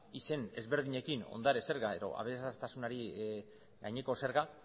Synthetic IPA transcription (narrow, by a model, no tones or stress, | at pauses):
ise̞ne̞zβe̞ɾðiɲe̞kino̞̰nd̪aɾese̞ɾɣae̞ɾo̞̰a̰βeɾesaɾt̪asunaɾi | ɡajɲeko̞se̞ɾɣa